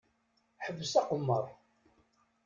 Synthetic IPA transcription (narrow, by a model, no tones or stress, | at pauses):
ħəvːəsɑqəmːəɾˤ